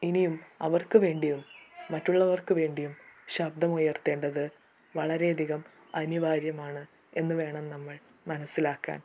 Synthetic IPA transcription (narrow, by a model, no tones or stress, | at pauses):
inijumɐ̰ʋɐrkɨʋe̞ːɳɖijumːɐtːuɭːɐʋɐrkɨʋe̞ːɳɖijumɕɐb̚d̪ɐmujɐrt̪e̞ːɳɖɐðɨ | ʋɐɭɐɾe̞ɐd̪ʱiɣɐm | ɐniʋaːɾjɐmaːɳɨ | e̞nːɨʋe̞ːɳɐmnɐmːɐɭ | mɐnɐsːilaːkːa̰ːn